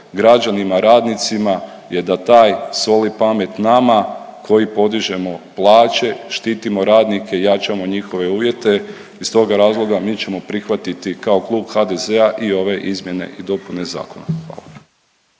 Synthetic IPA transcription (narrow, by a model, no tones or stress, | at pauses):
ɡɾad͡ʒanimaɾaːd̪nit̪sima | je̞d̪at̪aːjsʋo̞lipame̞t̪namakʰo̞jipo̞d̪iʒe̞mo̞plˠaːt͡ʃe̞ʃt̪iːt̪imo̞ɾaːd̪nike̞jat͡ʃamo̞ɲixo̞ʋe̞uːʋje̞t̪e̞ | ist̪o̞ɡaɾaːzlˠo̞ɡamiːt͡ɕe̞mo̞pɾixʋat̪it̪ikao̞klˠuːbxad̪e̞zeaʔio̞ʋe̞ʔizmje̞ne̞̰ʔid̪o̞pune̞za̰ːko̞na̰xʋa̰ːlˠa